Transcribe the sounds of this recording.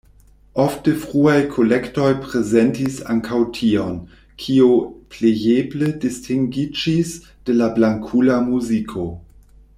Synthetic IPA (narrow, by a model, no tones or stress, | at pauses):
ʔoftəfʁuajkʰolɛktojpɾezɛntisaŋkʰawtʰion | kʰioplejebledistʰiŋɡid͡ʒis | d̥elablaŋkʰulamuzikʰo